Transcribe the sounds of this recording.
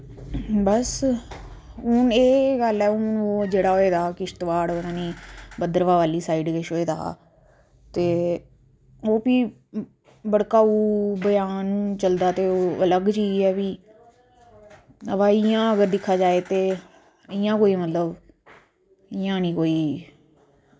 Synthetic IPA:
bəs | ɦʊneːɡəlɛːʊnoːd͡ʒeːɽaːɦoːeːd̪aːkɪʃt̪ʋaːɽoːnãːniːbəd̪əɾʋaːʋaːliːsaːiːɖkeʃɦoːeːd̪a̰ː | t̪eː | oːpiː | bəɽkaːuːbəjaːnũːt͡ʃəld̪aːt̪eːoːələɡt͡ʃiːɛːbiː | əʋaːɪjãːəɡəɾd̪ɪkʰːaːd͡ʒaːeːt̪eː | ɪjãːkoːiːmət̪ləb | ɪjãːnĩːkoːiː

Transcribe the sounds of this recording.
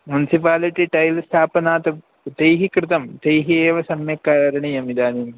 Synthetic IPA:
munisipaːliʈːiʈɐjlst̪ʰaːpɐnaːt̪ɐ | d̪ejɦikrɨt̪ɐmd̪ejɦieːʋɐsɐmjɐkːaːɾɐɾɐɳijɐmid̪aːnim

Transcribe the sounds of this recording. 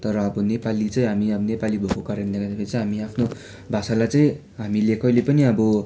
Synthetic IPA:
t̪ʌɾʌːbʌnepalit͡sʌĩɦamiʌbʌnepalibʱokokaɾjãnd̪ʌkʰad̪ʌpʰeɾit͡sʌĩɦamiapʰno | bʱasalajt͡sʌĩ | ɦamilekʰʌlepʌniʌbʌ

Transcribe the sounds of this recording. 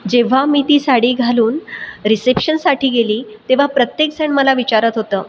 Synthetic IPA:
d͡ʑeʋ̤amiːt̪iːsaɽiːɡʱaluːnɾisepɕənsaʈʰiːɡeliːt̪eʋ̤apɾət̪jeksəɳməlaʋit͡ɕaɾət̪ɦot̪əː

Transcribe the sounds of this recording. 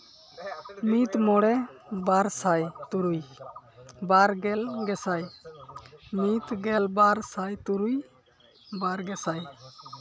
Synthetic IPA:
mit̪mɔɽɛbaɾsajt̪uɾuj | baɾɡɛlɡɛsaj | mit̪ɡɛlbaɾsajt̪uɾuj | baɾɡɛsaj

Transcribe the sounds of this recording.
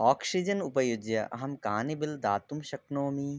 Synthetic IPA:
ɔːksid͡ʒɐnupɐjud̪jɐʔɐ̰ɦɐmkaːnibɪld̪aːt̪umʃɐknoːmi

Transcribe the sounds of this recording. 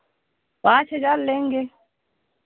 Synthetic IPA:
wat͡ʃɛd͡ʒallɛŋɡɛ

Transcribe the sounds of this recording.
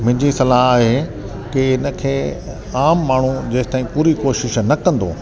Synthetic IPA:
mʊ̃ɦɪ̃ɲd͡ʑisɐlaɦaːɦe | kɪɪnə̆kʰeː | aːmːaːɳ̤̃ud͡ʑɐːɦɪt̪aːĩpuːɾikoːʃɪʃnɐkɐ̃nd̪o̰ː

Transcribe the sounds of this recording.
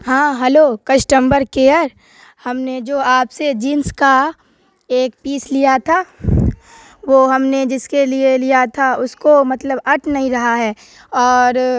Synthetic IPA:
ɦãːɦɛloːkɐsʈəmbəɾkeːəɾ | hɐmned͡ʒoːaːpsed͡ʒiːnska | eːkpiːslijat̪ʰaː | ʋoɦɐmned͡ʒɪskelielijat̪ʰaʊskomɐt̪ləbɐʈʰnɐɦĩɾɐɦaɦɛː | ɔːɾ

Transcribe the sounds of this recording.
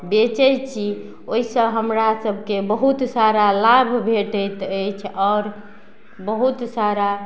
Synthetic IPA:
bet͡ʃəjt͡ʃʰi | oɦisə̃ɦəmɾasəbʱkebəɦut̪saɾalabʱbʱeʈəjt̪əjt͡ʃʰɔːɾ | bəɦut̪saɾa

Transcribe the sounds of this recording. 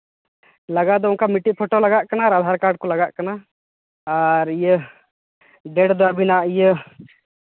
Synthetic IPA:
ləɡad̪ɔʊnkamiʈiʔ̚pʰoʈolaɡaʔkanaːɾad̪ʱaɾkaɾɖ̚kɔlaɡaʔkana | aɾijə | ɖɛɽd̪ɔabinaʔijə

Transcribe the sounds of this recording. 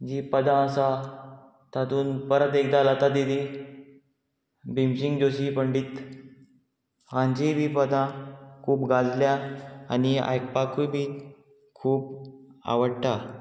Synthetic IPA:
d͡ʑipəd̪ʱãəsa | t̪at̪uːnpəɾət̪ekd̪alət̪ad̪id̪i | bimɕiŋɡd͡ʑoɕipəɳɖiːt̪ | ãɲd͡ʑibʱiːpəd̪ãkʰuːpɡad͡zljaa̰nia̰jk̚pakubʱiː | kʰuːpa̰ʋəɽʈa

